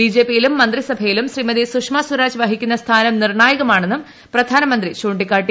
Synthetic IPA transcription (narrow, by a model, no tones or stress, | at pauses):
id͡ʑe̞ːpːijilumːɐnd̪risɐbʱɐjilumɕrimɐðisukʂmaːsuɾaːd͡ʑʋɐɦikʲːunːɐst̪ʰaːnɐmnirɳaːjɐɣɐmaːɳe̞nːɨm | prɐd̪ʱaːnɐmɐnd̪riɕuːɳɖikːaːʈːi